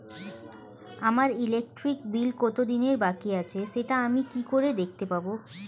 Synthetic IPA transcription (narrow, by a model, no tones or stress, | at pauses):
amaɾilek̚ʈɾik̚bilkɔt̪od̪ineɾbakiat͡ɕʰeʃeʈaamikikoɾed̪ek̚ʰt̪epabo